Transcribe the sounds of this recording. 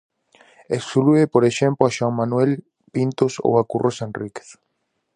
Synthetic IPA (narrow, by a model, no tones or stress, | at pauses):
ekskluepoɾeʃemploaʃwaŋmanwel | pint̪oso̰wakurʔosẽnrike̥θ